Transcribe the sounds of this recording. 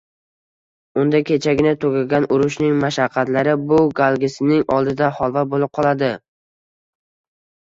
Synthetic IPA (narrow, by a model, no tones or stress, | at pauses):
ʊnd̪akʲʰe̞t͡ʃʰaɡʲɪnat̪ʰoɡʲaɡʲanʊɾʊʃnɪŋmaʃaqʰːɑt̪laɾɪbʊɡalˠɡʲɪsɪnɪŋɒlˠd̪ɪd̪ahɒlˠvabolɪp̚qʰɒlˠad̪ɪ